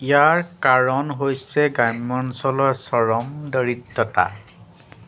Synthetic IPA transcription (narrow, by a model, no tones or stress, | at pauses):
ijaɹkaɹɔnɦojsɛɡajmɔnsɔlɔsɔɹɔmdəɹitːɔta̰